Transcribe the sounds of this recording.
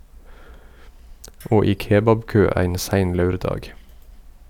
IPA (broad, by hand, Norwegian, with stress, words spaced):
ˈoː ˈiː ˈkeːbɑbˌkøː ˈæɪn ˈsæɪn ˈlɑʉɾˌdɑːɡ